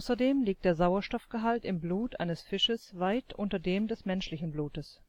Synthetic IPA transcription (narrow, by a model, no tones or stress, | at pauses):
ʊsɐdeːmliːk̚t̚d̥eːɐzaʊɐʃtɔfɡ̥əɦaltɪmbluːtʔa̰ɪnəsfɪʃəsvaɪtʔʊntɐdeːmdɛsmɛnʃlɪçn̩bluːtəs